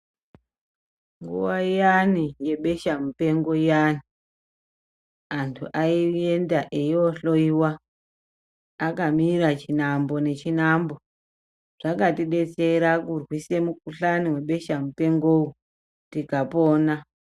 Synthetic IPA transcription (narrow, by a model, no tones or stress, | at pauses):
ŋɡṵwaijanije̞ɓe̞ʃamupe̞ŋɡo̞ijani | antʰuʔaie̞ndaʔeioɬo̞iwa | akamirat͡ʃinambo̞ne̞t͡ʃinambo̞ | ʐ̥akatiɗe̞t͡se̞ɾakurwise̞mukuɬaniwe̞ɓe̞ʃamupe̞ŋɡou | tikapoːna